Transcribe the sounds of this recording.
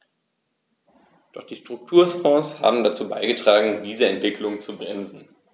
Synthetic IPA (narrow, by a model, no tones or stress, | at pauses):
d̥ɔχd̥iːʃtʁ̥ʊk̚tʰuːɐsfɔ̃ːsha̰ːbm̩dat͡suːba̰ɪɡətʁ̥aːɡŋ̩diːzəɛntv̥ɪkʰlʊŋt͡subʁɛnzn̩